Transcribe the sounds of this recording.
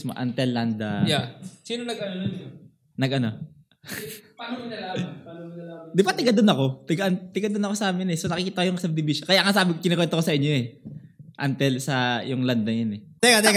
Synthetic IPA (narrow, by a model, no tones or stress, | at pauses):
smo̰ʔɐ̰nt̪ɛlːand̪ajasiːnonɐɡʔɐnodʊn | nɐɡʔɐno̞ | panoɪnɐlamanɐlad̪ɪbat̪ɪɡad̪onɐko̞t̪ɪɡaʔnt̪ɪɡad̪onɐkosɐʔaːmɪnɛsonɐkɪkiːt̪ɐkojʊŋʔɪsɐb̚d̪ɪbiːʃokɐjaŋasaːbɪkɪnokwɛnt̪okosɐʔɪɲːo̞ɛ | ʔant̪ɛlsɐjʊŋland̪̚nɐjɐnɛd̪ɛɡad̪ɛɡ